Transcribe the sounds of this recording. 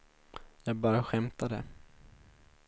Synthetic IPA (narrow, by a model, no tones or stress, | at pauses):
jɑːɡ̚bɑːɾaɧɛmt̪ad̪ɛ̰